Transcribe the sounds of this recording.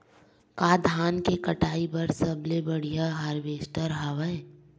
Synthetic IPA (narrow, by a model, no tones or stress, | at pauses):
kaːd̪ʱaːnkekɐʈaːipɐɾsɐblebɐɽ̤ijaɦaːɾʋeːsʈəɾɦaʋə